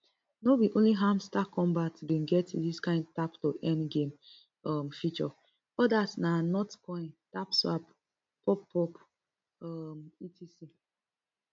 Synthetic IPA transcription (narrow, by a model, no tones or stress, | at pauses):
nobiʔõnliɦãmstakːɔ̃mbatbĩnɡɛtdiskãɪ̃ndtaptoʔɛ̃nɡẽm | ɔmfit͡ʃɔ | ɔdasnanɔtkɔ̃ɪ̃ntapswa̰p | pɔpːɔp | ɔmitisi